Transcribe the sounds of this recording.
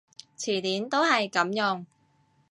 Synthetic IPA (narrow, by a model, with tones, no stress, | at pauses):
t͡sʰiː˨˩t̪iː˨˥nt̪o˥whɐ˨jkɐ˨˥mjʊ˨˩ŋ